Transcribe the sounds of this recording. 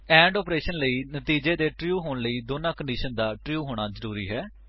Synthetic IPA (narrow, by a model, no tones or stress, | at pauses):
ɛ̃ːɳɖɔːpɾeːʃənləiːnət̪iːd͡ʒeːd̪eːʈɾjuːɦoːnləiːd̪oːnãːkəɳɖiːʃənd̪aːʈɾjuːɦoːɽ̃aːzəɾuːɾiːɦɛː